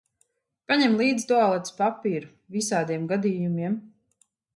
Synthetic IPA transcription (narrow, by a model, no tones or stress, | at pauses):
paɲɛmlˠiːd̪zt̪ɔalˠɛt̪spapiːɾu | visaːd̪iɛmɡad̪iːjumiɛm